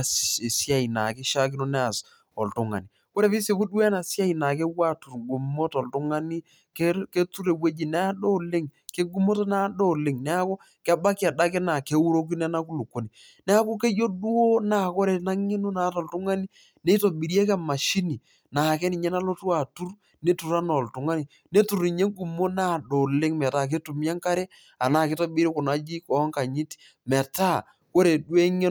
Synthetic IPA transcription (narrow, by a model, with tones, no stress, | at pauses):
e˨sja˦˨i˨na̰˨kɪ˦ʃa˦kɪ˦no˦nɛ˦a˨s | ɔ̰˨ltʊ˨˦ŋa̰˨ni˨ | ko˦ɾe˨pi˦se˨pu˦du˦ɛ˦na˨sa˦i˨na˨ke˦wa˦˨tu˨ɾɡu˨mo˦tɔ˨ltʊ˦ŋa˦ni˦ | ke˦ke˦tu˦ɾe˨bwe˦d͡ʒi˨nɛ˦a˦ɗo˦˨lɪ˦ŋke˦ɡu˦mo˦to˦na˦do˦˨lɪ˦˨ŋnɛ˦a˦ko˦ | kɛ˦ba˦ki˦a˨da˦kɪ˦na˨ke˦u˦ɾo˦k̬i˦nɛ˦na˦ku˦lu˨kːo˨ni˨ | nɛ˦a˦ko˦ke˦jo˦du˦o˦na˦˨ko˦ɾe˨na˦ŋe˦no˦naː˨˦tɔ˨ltʊ˦ŋa˦ni˦ | ne˦i˦to˨bi˨ɾi˦e˦kɛ˦ma˨ʃi˦ni˨ | na˨kɛ˦ni˨ɲɛ˦na˦lo˦tu˦a˨tu˦r | ne˦tu˨ɾa˦nɔ˨ltʊ˨ŋa˦ni˨ | ne˦tu˨ɾi˨ɲe˦ɡu˨mo˦na˦˨ɗo˨lɪ˦ŋmɛ˨taː˦˨k̬e˦tu˨m˦a˦ŋka˦ɾe˦ | a˨naː˦˨kɪ˦to˦bi˦ɾi˦kʊ˨na˦d͡ʒi˦kɔ˨˦ŋka˨ɲi˦t | mɛ˨ta˦˨ | ko˦ɾe˨dwe˦ŋe˦